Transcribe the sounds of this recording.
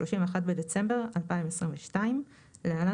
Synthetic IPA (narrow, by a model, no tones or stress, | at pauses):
oʃimveaxat̪̚bed̪et͡se̞mbeʁalpaimesʁinveʃtaim | leala